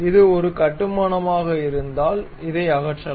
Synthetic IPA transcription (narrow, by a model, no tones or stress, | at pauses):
ɪðɯɔɾɯkɐʈːɯmɐɳɐmaːɣɐɪɾɯnd̪aːl | ɪðɐɪɐɣɐʈt͡ʃːɐl